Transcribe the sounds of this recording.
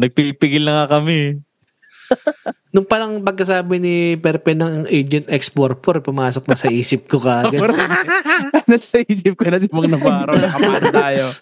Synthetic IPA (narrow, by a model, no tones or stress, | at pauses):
nɐɡ̚piɡ̚pɪɡɪlːɐŋakɐmɛ | nʊŋpɐlɐŋpɐɡ̚kːɐsaːbɪnipɛɾpɛnɐŋʔejd͡ʒɛnt̪ɛkspoɾpoɾpʊmaːsok̚nɐsɐʔiːsɪp̚kokaːɡɐɐ | nɐsɐʔiːsɪp̚konɐsɪmɐŋnɐbaːɾɐt̪aːjo